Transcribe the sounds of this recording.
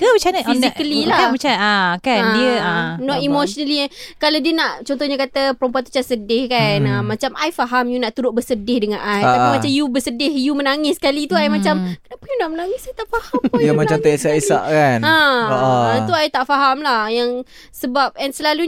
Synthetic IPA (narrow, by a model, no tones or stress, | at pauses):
kəbət͡ʃanfisikəlilabət͡ʃaakadiənɔt̪imoʃɔnəlikalawdiənaʔt͡ʃɔnt̪ɔhɲakat̪əpəɾompuat̪u̥t͡ʃasədɪhkanamːat͡ʃamajfaɦamjunaʔt̪uɾʊʔ̚bəsədɪhdəŋanajt̪apimat͡ʃamjubəsədɪhjumənaŋɪsə̥kalit̪uajmat͡ʃamkənapəjunaʔmənaŋɪsajt̪aʔfahampjamat͡ʃamt̪əsaʔisa̰ʔkanaoʔat̪uajt̪aʔfaɦamlahjaŋ | səbap̚ɛnsəlalu